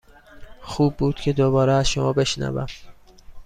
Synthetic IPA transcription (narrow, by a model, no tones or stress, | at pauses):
xuːbːuːd̪̥cʰe̞d̪oβɒːɾeæzʃomɒːbe̞ʃnæ̰væ̰m